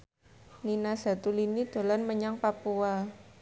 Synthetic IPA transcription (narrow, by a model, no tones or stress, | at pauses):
ninasa̤t̪ulinid̪̥o̤lanməɲaŋpapua